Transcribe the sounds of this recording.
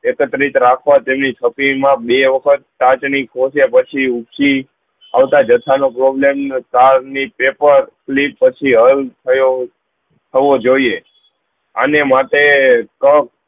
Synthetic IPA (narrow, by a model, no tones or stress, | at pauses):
ekət̪ɾit̪ɾakʰʋat̪emnit̪ʰəpimãbeʋəkʰət̪̚ːat͡ʃnikʰosepət͡ʃʰiukt͡ʃi | a̰ʋt̪ad͡ʒət̪ʰanopɾɔblemnk̪aɾnipepəɾklipːət͡ʃʰiɦəlt̪ʰəjo | t̪ʰəʋod͡ʒoie | a̰nemaʈekək̚